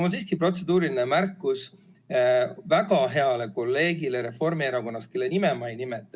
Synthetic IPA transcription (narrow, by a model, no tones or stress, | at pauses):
ulnsiːskipro̞t̪se̞d̪uːɾilinemærkːˑus | vækɑɦe̞ɑle̞ko̞lːe̞ːɡileɾe̞fo̞rmieɾɑko̞nːɑst̪ke̞lːenimemɑjnimet̪ːˑ